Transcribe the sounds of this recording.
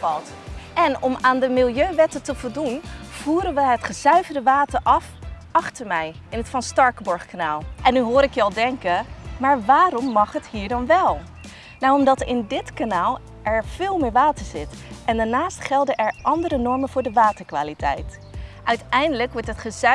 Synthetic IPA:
ɑlˠt | ʔɛnɔmaːndəmɪlˠjøɥʋɛtətəvɔlˠdunv̥uːɾənʋəɦətχəzœɥvədəʋaːtəɹʔɑfʔɑχtəɹmɛj | ɪnɦətfɑnstɑɹkəbɔɹχkanaːlˠʔɛnːyɦʊːɾɪkjəɑlˠdɛŋkəmaːɹʋaːrɔmːɑχɦətɦiːɹdɑnʋɛlˠ | nawɔmdɑtɪndɪtkanaːlˠ | ʔɛɹv̥ɪːlˠmɪːɹʋaːtəɹzɪtʔɛndaːɹnaːstχɛlˠdənʔɛɹʔɑndəɾənɔɹmənvʊːɹdəʋaːtəɹkʋa̰ːlitɛ̰jt | ʔœɥtɛjndələkʋɔɹtɦətχəzœ

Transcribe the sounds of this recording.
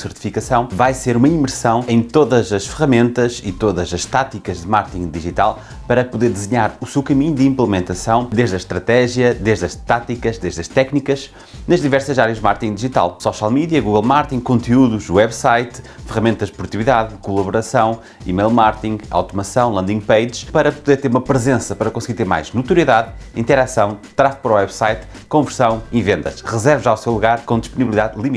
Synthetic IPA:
sɨɾt̪i̥fikɐsɐ̃w̃vajseɾumɐimɨɾsɐ̃w̃ẽj̃t̪oðɐzɐʃfɨʁɐmẽnt̪ɐʃit̪oðɐzɐʃt̪at̪ikɐʒðɨmaɾt̪ĩɡd̪iʒit̪alˠ | pɐɾɐpuðeɾd̪ɨzɨɲaɾusewkɐmiɲud̪ɨĩmplˠɨmẽnt̪ɐsɐ̃w̃d̪eʒðɐʃt̪ɾɐt̪ɛʒjɐd̪eʒðɐʃt̪at̪ikɐʒd̪eʒðɐʃt̪ɛknikɐʃ | nɐʒðivɛɾsɐzaɾjɐʒd̪maɾkt̪ĩŋɡd̪iʒit̪a̰lˠsɔʃalˠmiðiɐɣuɣɐlˠmaɾt̪ĩŋɡkõnt̪iuðuʃwɛβsajt̪ | fɨʁɐmẽnt̪ɐʒd̪puɾt̪iiðaðkulˠɐβuɾɐsɐ̃w̃ | ḭmejlˠmaɾt̪ĩŋɡa̰wt̪umɐsɐ̃w̃lˠɐ̃nd̪ĩŋɡpejd͡ʒʃpɐɾɐpuðeɾt̪eɾumɐpɾɨzẽsɐpɐɾɐkõsɣiɾt̪eɾma̰jʒnut̪uɾiðaðĩnt̪ɛɾasɐ̃w̃t̪ɾafpɾɔwɛβsajt̪ | kõvɨɾsɐ̃w̃ivẽnd̪ɐ̰ʃʁɨzɛɾvʒawsewlˠuɣaɾkõd̪iʃpuniβlˠiðaðlˠimi

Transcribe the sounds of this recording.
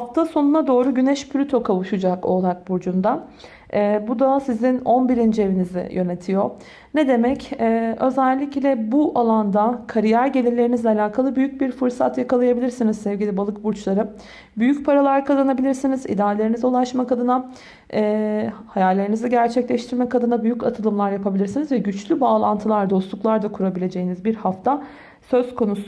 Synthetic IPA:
aft̪ʰaso̞nunad̪o̞ːɾuɟynɛʃpʰlʲyt̪ʰo̞kʰavɯʃɯd͡ʒako̞lˠak̚buɾd͡ʒund̪a | ɛːbud̪asizino̞nbiɾind͡ʒie̞vinizḭjø̞ne̞t̪ʰijo̞ | ned̪e̞mɛcɛːø̞zɛlʲːiclʲɛbuʔalˠand̪akʰaɾijæɾɟe̞lʲilʲe̞ɾinizlʲɛalʲaːkʰalˠɯbyjyc̚biɾfɯɾsa̰t̪jakalˠajabilʲiɾsinizsɛvɟilʲibalˠɯkbuɾt͡ʃlˠaɾɯ | byjycpʰaɾalˠaɾkʰazanabilʲiɾsinizḭd̪aːlʲe̞ɾiniziulˠaʃmakad̪ɯna | ɛhajalʲːe̞ɾiniziɟæɾt͡ʃʰɛclʲɛʃt̪ʰiɾmɛkad̪ɯnabyjycat̪ʰɯlˠɯmlˠaɾjapʰabilʲiɾsinizvɛɟyt͡ʃlʲybaːlˠant̪ʰɯlˠaɾd̪o̞slˠuklˠaɾd̪akʰuɾabilʲe̞d͡ʒe̞jinizbiɾhaft̪ʰa | sø̞zkʰo̞nus

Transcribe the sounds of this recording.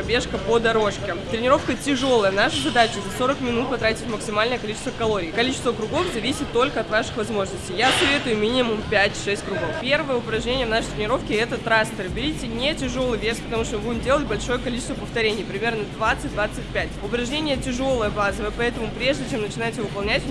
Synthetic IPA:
bʲe̞ʂkəpod̪ɐɾo̞ʂkʲɪt̪ɾʲɪnʲɪɾo̞fkətʲɪʐo̞lˠəjəvnaʂɨzɐd̪at͡ɕɪzɐso̞ɾəkmʲɪnut̪̚pɐt̪ɾatʲɪtʲɪtʲməksʲɪmalʲnəjəkɐlʲit͡ɕɪ̥st̪vəkɐlˠo̞ɾʲɪːkɐlʲit͡ɕɪ̥st̪vəkɾʊɡo̞fzɐvʲisʲɪt̪ːo̞lʲkəɐt̪vaʂɨ̥xvɐzmo̞ʐnəsʲtʲɪjasɐvʲe̞t̪ʊjʊmʲinʲɪmʊmpʲætʲʂɛsʲtʲkɾʊɡo̞fpʲe̞rvəjəʊpɾɐʐnʲenʲɪjəvnaʂɨjt̪ɾʲɪnʲɪɾo̞fkʲɪɛt̪ət̪ɾast̪ɪrbʲɪɾʲitʲɪnʲetʲɪʐo̞lˠɨjvʲespət̪ɐmuʂt̪ovumdʲeəlʲbɐlʲʂo̞jəkɐlʲit͡ɕɪst̪vəpəft̪ɐɾʲenʲɪjpɾʲɪmʲernəd̪vat̪sɨt̚ʲd̪vat̪sɨtʲpʲætʲʊpɾɐʐnʲenʲɪjətʲɪʐo̞lˠəjəbazəvɨpɐɛt̪əmʊpɾʲe̞ʐdʲɪt͡ɕe̞mnət͡ɕɪnajɪtʲɪvɨpɐlˠnʲætʲ

